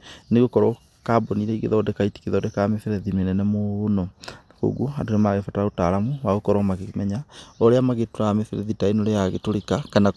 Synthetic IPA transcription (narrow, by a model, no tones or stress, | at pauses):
neɣokɔɾɔ | kaboniɾɛiɣḛðɔdɛkaiti̥keðɔdɛkaːmefɛɾɛðimenɛnɛmoːnɔnako̰ɣwoandonemaɣefataaotaɾamuwaɣokɔɾɔmaɣemɛɲaoɾeamaɣetoɾaamefeɾɛ̰ðitainoɾejaɣetoɾekakana